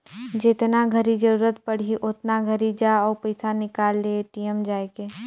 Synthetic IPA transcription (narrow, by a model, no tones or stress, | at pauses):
d͡ʒet̪naɡʱəɾid͡ʒəɾuːɾət̪pɐɽ̤iʔʊt̪naɡʱəɾid͡ʒaɔːɾpɐɪsanɪkaːlːeʈiːəmd͡ʒaːekeː